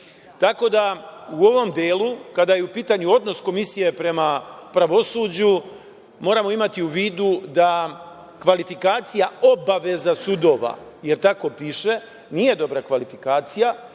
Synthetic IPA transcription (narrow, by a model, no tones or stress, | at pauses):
t̪ako̞d̪auo̞ʋo̞md̪eːlˠukad̪ajeupiːt̪aɲuo̞d̪no̞sko̞misije̞pɾe̞mapɾaʋo̞suːd͡ʑu | mo̞ːɾamo̞imat̪iuʋiːd̪ud̪a | kʋalifikaːt̪sijao̞baʋe̞zasud̪o̞ːʋa̰je̞ɾt̪ako̞piːʃe̞ | nije̞d̪o̞bɾakʋalifikaːt̪sija